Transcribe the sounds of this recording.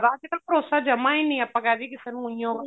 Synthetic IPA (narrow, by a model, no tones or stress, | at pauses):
ɾaːd͡ʒkəlpɾoːsaːd͡ʒəmãːiːnə̃ĩəpːãːkɛːd̪iːkɪseːnũːʊĩjão